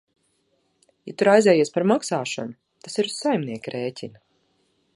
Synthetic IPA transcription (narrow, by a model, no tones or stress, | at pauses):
jat̪uɾajzɛːjiɛspaɾmaksaːʃɔ̰nu | t̪asiɾusːajmniɛkiɾeːtʲʰinɐ